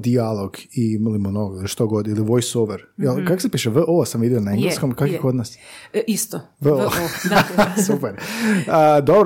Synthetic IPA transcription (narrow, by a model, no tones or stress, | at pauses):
d̪ialˠoɡimalimonoɡiliʃt̪oɡod̪iliʋojsoʋeɾjelˠkakosepiːʃeʋəʔosamʋid̪ionaeŋɡleskomkakʋikod̪nasist̪o | ʋəo | supeɾəd̪obɾ